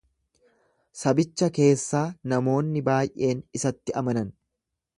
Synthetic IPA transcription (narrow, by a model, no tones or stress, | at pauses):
sɐbɪt͡ʃːɐke̞ːsːaːnɐmo̞ːnːɪbaːjʔe̞ːnɪsɐt̪ːɪɐmɐnɐn